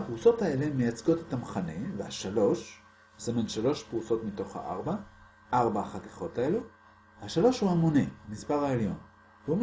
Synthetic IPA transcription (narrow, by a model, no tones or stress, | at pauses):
apʁuso̞tae̞lemejat͡sɡo̞tetamaχane̞vehaʃalo̞ʃ | besimanʃalo̞ʃpʁuso̞tmito̞χha̰ʔa̰ʁba | ʔaʁbaχati̥χo̞tae̞lu | haʃalo̞ʃhuamonebemispaʁaeljo̞n | veum